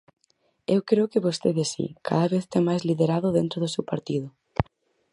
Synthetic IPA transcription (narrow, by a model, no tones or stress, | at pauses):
ewkɾeokɪβost̪eðesḭkʰa̰ðaβeθt̪eŋmajzliðeɾaðʊðent̪ɾoðʊsewpaɾt̪iðʊ